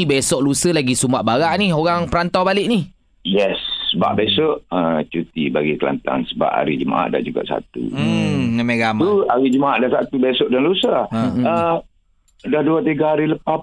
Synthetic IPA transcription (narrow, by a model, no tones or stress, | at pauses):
besɔʔlusəlaɡisumaʔbaɾaʔnioɣaŋpəɾant̪awbalɪʔnih | jɛsːəba̰ʔbesɔʔət͡ʃut̪ibaɡikəla̰nt̪a̰nsəba̰ʔa̰ɾid͡ʒəma̰ʔa̰ʔda̰hd͡ʒuɡa̰ʔsa̰t̪ṵŋəmeɡamuaɾid͡ʒəmaaʔdahsat̪ubesɔʔdanlusamə | dahduat̪iɡaɦaɾiləpap̚